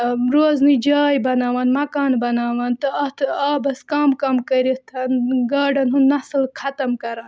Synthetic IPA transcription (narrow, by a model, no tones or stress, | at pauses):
ɾoːznid͡ʒaːjbɐnaːʋɐːnmɐkaːnbɐnaːʋɐnt̪ɐɐt̪ʰaːbɐskaːmkɐmkɐɾit̪ʰɐnɡaːɖɐnɦunnɐslkʰɐt̪ɐmkɐɾɐːn